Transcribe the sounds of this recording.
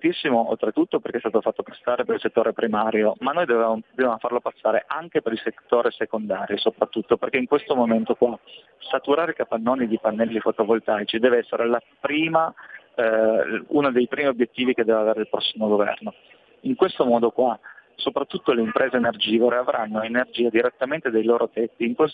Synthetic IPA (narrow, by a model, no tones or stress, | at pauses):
t̪isːimoʔo̰lt̪ɾet̪ːut̪ːoperkeɛst̪aːt̪ofat̪ːopḁsːaːɾepeɾilset̪ːoːɾepɾimaːɾjomanːojd̪ovevaːmod̪ovjamofarlopasːaːɾeʔaŋk̟epeɾilset̪ːoːɾesekond̪aːɾjosopɾat̪ːut̪ːoperk̟eiŋkwest̪omoment̪okwa | sat̪uɾaːɾeikapanːɔːnid̪ipanːɛlːifot̪ovolt̪ajt͡ʃid̪ɛːveɛsːeɾela | pɾiːma | ṵnad̪ejpɾiːmiobjet̪ːiːvik̟ed̪ɛːveaveːɾeilpɾɔsːimoɡovɛ̰rno | iŋkwest̪omɔːd̪okwasopɾat̪ːut̪ːoleimpɾʔeːzeːnerd͡ʒiːvoɾeavɾʔanːoenerd͡ʒiːad̪iɾet̪ːament̪ed̪ejloːɾʔot̪ɛt̪ːiːŋkwes